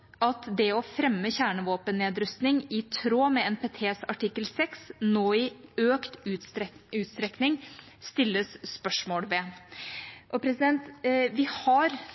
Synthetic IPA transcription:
ʔɑt̪d̪ɛɔfɾɛmːəçæːɳəʋoːpənːeːd̪ɾʉst̪nɪŋɪt̪ʰɾoːmɛɛːnpʰeːt̪ʰeːsɑʈʰɪkːəlsɛksnoːɪøːkt̪ʉʉːt̪st̪ɾɛknɪŋ | st̪ɪlːəsspœʂmoːlʋɛ | ʔɔpʰɾɛsɪd̪ɛnt̪ʋɪhɑɾ

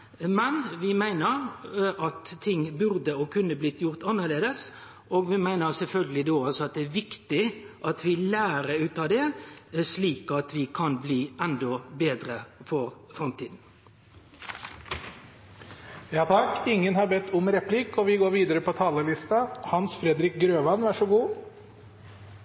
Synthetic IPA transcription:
mɛnʋɪmæɪnəʁʔɑt̪ʰːɪŋːbʉʁd̪əɔkʰʉnːəblɪt̪jʊʁt̪ɑnːəʁleːd̪əs | ʔoːɡʋɪmæɪnəʁsɛlfœlɡəlɪd̪oːɑlsɔɑt̪̚d̪ɛæːʋɪkt̪ɪʔɑt̪ʰʋɪlæːɾəʉːt̪ɑːd̪ɛsliːkɑt̪ʋɪkʰɑnbliːɛnd̪ɔbeːd̪ɾəfɔɾfɾɑmt̪ʰiːd̪n̩ | jɑːt̪ʰɑkːɪŋːənhɑɾbɛt̪ʰːʊmɾɛpʰlɪkːɔʋɪɡoːɾʋiːd̪əɾəpʰɔt̪ʰɑːləlɪst̪ɑhɑnsfɾɛd̪ɾɪk̚ɡɾøːʋɑnʋæʂɔɡuː

